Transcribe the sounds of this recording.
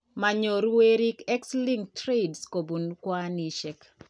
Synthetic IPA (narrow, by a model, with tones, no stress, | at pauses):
ma˨ɲo˨ɾwe˦ɾi˦kɛ˦ksli˦ŋtɾe˦dsko˨bu˨nkwa˦ni˨ʃɛk